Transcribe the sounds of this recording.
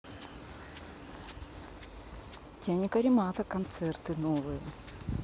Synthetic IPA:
t̪ʲanʲɪkɐɾʲɪmat̪ɐkɐnt̪sɛrt̪ɨnovɨjə

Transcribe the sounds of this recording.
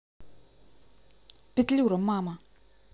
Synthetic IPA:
pɪt̪liwɾamːaːma

